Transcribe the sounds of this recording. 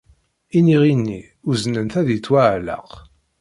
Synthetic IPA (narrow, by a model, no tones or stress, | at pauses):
iniʁinːi | ʊznənθæðit͡sːwaʕlə̰q